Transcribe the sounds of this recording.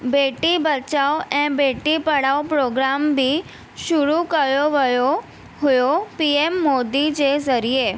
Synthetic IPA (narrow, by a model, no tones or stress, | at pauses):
beʈibət͡ʃaoɛ̃beʈipəɽaopɾoɡɾambʱi | ʃuɾukəjoʋəjo | ɦʊjopiemːod̪id͡ʒezəɾije